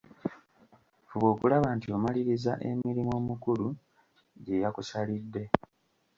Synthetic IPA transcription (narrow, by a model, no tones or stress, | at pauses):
fuβo̞ːkulaβaːntio̞maliɾizaʔe̞̰miɾimo̞ːmukulu | ɟe̞jakusalidːe̞